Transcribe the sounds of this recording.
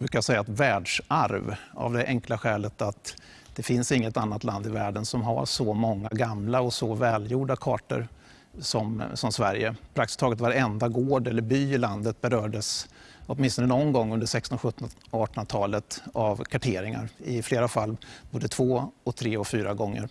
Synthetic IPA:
bɾʉ̟ːkajasɛjːaɛt̪væːɖʂaɾva̰vd̪ɛʔɛŋklaɧɛːlət̪at̪ | d̪̥ɛfɪnsɪŋːət̪anːat̪land̪ɪvæːɖənsɔmɦa̰ʂɔmɔŋːaɡamlaɔsɔvɛːljuːɖakʰɑːʈə̰ɾ | sɔmsɔmsvæɾjəpʰɾakt̪ɪ̥st̪ʰɑːɡət̪vaɾɛnd̪aɡoːɖɛlːəɾbyːɪland̪ət̪̚bɛɾœːɖəsɔt̪̚mɪnst̪ɔnənɔnɡɔŋːɵnd̪əʂɛkst̪ɔnɧɵt̪ːɔnɑːʈɔnt̪ʰɑːlət̪avkʰaʈʰeːɾɪŋa̰ɾɪfleːɾafalːboːd̪ət̪ʰv̥oːɔk̚t̪ʰɾeːɔkfyːɾaɡɔŋːə̰ɾ

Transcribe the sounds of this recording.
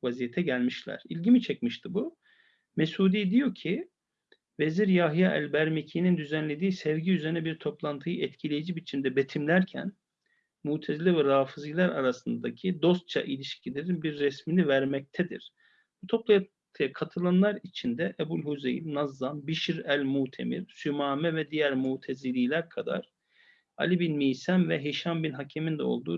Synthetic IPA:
vazijet̪ʰɛɟælʲmiʃlʲæ̰ɾ̥ilʲɟimit͡ʃʰɛcmiʃt̪ʰɯbu | mesuːd̪iːd̪ijo̞cʰi | ve̞ziɾjaɦjaʔɛ̰lʲbæɾmecʰinind̪yzænlʲe̞d̪iːsɛvɟiyzeɾinɛbiɾt̪ʰo̞plˠant̪ʰɯjɯʔɛt̪cʰilʲejid͡ʒibit͡ʃʰind̪ɛbet̪ʰimlʲæɾcʰæ̰n | muːt̪ʰezlʲɛvɛɾaːfɯzilʲˠæɾaɾasɯnd̪acʰid̪o̞st̪̚t͡ʃʰa̰ʔilʲiʃcʰilʲeɾinbiɾːɛsminivæɾmɛc̚t̪ʰɛd̪ḭɾ̥ | b̥ut̪ʰo̞plˠaja | t̪ʰɯjakʰat̪ʰɯlˠanlˠaɾit͡ʃʰind̪ɛʔɛbulʲhuzejinnazːˠambiʃiɾælʲmut̪ʰe̞̰mḭɾsymaːmɛvɛd̪ijæɾmut̪ʰezilʲiːlʲæɾkʰad̪a̰ɾ̥ | a̰lʲibinmiːsæmvɛɦeʃambinɦacʰemind̪ɛo̞̰lˠd̪uː

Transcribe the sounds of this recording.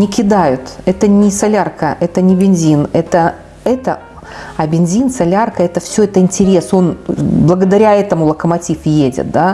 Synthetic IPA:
nʲɪkʲɪd̪ajʊt̪ɛt̪ənʲɪsɐlʲarkəɛt̪ənʲɪbʲɪnʲzʲinɛt̪ə | ɛt̪ə | ɐbʲɪnʲzʲinsɐlʲarkəɛt̪əfsʲɵɛt̪əɪnʲtʲɪɾʲe̞so̞nblˠəɡəd̪ɐɾʲaɛt̪əmʊlˠəkəmɐtʲifjedʲɪ̰t̪̚d̪a

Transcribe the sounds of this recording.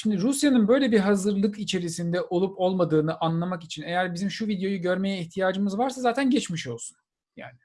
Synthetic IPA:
ʃimd̪iɾusjanɯnbø̞jlʲebiɾɦazɯɾlˠɯkit͡ʃʰe̞ɾisind̪ɛʔo̞lˠupo̞lˠmad̪ɯːnɯʔanlˠamakit͡ʃʰine̞jæɾbizimʃuvid̪jo̞juɟø̞ɾme̞jɛiçt̪ʰijaːd͡ʒɯmɯzvaɾsazaːt̪ʰænɟɛt͡ʃmiʃo̞lˠsun | ja̰ːnɪ

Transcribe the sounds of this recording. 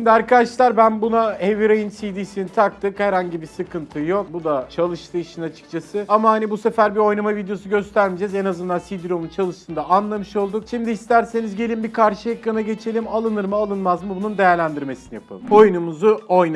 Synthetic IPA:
imd̪iaɾkad̪aʃlˠaɾbænbunaeviɾejinsid̪iːsinint̪ʰakt̪ʰɯkhæɾhaɲɟibisɯkʰɯnt̪ʰɯjo̞k̚bud̪at͡ʃʰalˠɯʃt̪ʰɯːiʃɯnat͡ʃʰɯ̥k̚t͡ʃʰasɯamahanibuse̞fæɾbio̞jnamavid̪ejo̞s̬uɟø̞st̪ʰæɾmid͡ʒezenazɯnd̪ansid̪ɾo̞munt͡ʃʰalˠɯʃt̪ʰɯnd̪aanlˠamɯʃo̞lˠd̪ukʃimd̪iːist̪ʰæɾse̞nizɟe̞lʲimbikʰaɾʃɯjekːanaɟe̞t͡ʃʰe̞lʲimalˠɯnɯɾmɯalˠɯnmazmɯbunund̪e̞jæɾlʲænd̪iɾme̞sinijapʰa̰lˠɯmo̞jnumuzuojna

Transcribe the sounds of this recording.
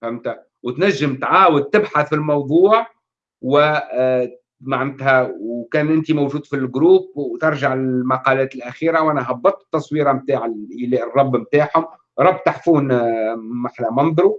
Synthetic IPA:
fæmt̪a | wt̪næʒːəmt̪ʕaːwʊd̪̚t̪ɪbħaθfilmɑwd̪ˤuːʕ | wɪ | maʕnæt̪ɦæwkæːnʔɪnt̪imowʒuːd̪filɡɾuːb̚wt̪ɑɾˤʒaʕɪlmɑqɑlæːt̪ɪlʔæxiːɾawʔænæɦɑbːɑt̪ˤt̪ːɑsˤwiːɾɑmt̪aːʕɪʔlːrˤːɑbːmt̪aːħhʊm | ɾˤɑbːt̪aħfuːn | maħnæmɑnd̪ˤɾu

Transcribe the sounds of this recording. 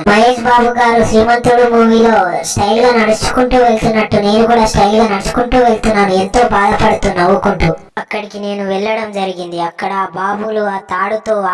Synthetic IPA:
mɐɦeːʃbaːbuɡaːɾusɾiːmɐnt̪ɾuɽumuːʋiːloːsʈɐjlɡɐːnɐɽut͡ʃu̥kuɳʈuːʋe̞ɭt̪unːɐʈːune̞ːnukuːɽaːsʈɐjlɡɐːnɐɽut͡ʃu̥kuɳʈuːʋeɭt̪unːaːnuent̪o̞ːbaːd̪ɐpɐɽut̪unɐʋukuɳʈu | ɐkːɐɽikine̞ːnuʋɛɭːɐɽɐmd͡ʒɐɾiɡind̪iɐkːɐɽɐbaːbʱuluaːt̪aːɽut̪oː

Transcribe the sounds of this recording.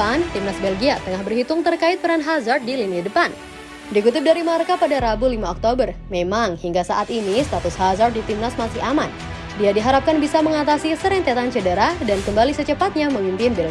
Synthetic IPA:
ant̪imnasbɛlɡiat̪əŋahbərhit̪ʊŋt̪ərkaɪt̪̚pəɾanɦazart̪̚dilinadəpan | diɡut̪ɪp̚daɾimaɾkapadaɾabulimaɔk̚t̪obərmemaŋhiŋɡasaʔat̪inist̪at̪ʊshazart̪̚dit̪imnasmasɪaman | diadiɦaɾap̚kanbisaməŋat̪asisəɾɪŋt̪eat̪ant͡ʃədəɾadankəmbalisət͡ʃəpat̪̚ɲaməmimpinbɛl

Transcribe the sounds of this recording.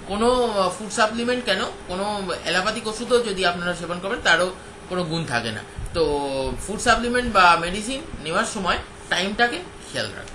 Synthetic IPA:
konofuɖsaplimeɳʈkɛnokonoɛ̰lapat̪ikoʃud̪ʱod͡ʑod̪iapnaɾaʃebʱonkoɾbent̪aɾo | konoɡunt̪ʰa̰kena̰t̪ofuɖsaplimeɳʈbameɖisinːewaɾʃɔmɔe | ʈajmʈake | kʰḛlɾa̰ke

